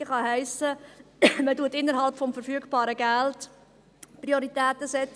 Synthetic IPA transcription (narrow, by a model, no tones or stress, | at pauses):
əχɑɦɛɪsə | mətuətɪnːəɾɦɑlpfɔmfəɾfyəkpɑːɾəɡælt | pɾioɾitæːtəsɛt͡s